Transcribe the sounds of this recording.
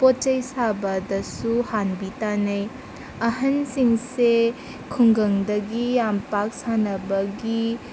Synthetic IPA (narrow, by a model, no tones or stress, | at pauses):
potɐjsabɐdɐsuhanbitanɐj | ɐɦɐnsiŋse | kʰuŋɡɐŋdɐɡijampak̚sanɐbɐɡi